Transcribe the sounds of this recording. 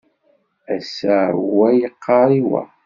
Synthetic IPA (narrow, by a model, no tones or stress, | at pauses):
æsæwæjəqːɑɾˤiwæ̰